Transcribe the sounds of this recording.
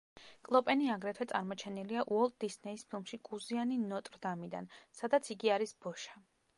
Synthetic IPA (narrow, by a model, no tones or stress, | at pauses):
kʼlˠɔpʼɛniaɡɾɛt̪ʰwɛt̪sʼa̰ɾmɔt͡ʃʰɛniliaʔuɔlˠt̪̚d̪isnɛispʰilˠmʃikʼuzianinɔt̪ʼɾd̪amid̪a̰nsad̪at̪sʰiɡiaɾisbɔʃa